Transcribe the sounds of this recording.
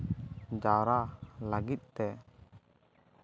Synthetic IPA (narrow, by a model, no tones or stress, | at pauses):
d͡ʒaɾaləɡit̪̚ˀt̪ɛ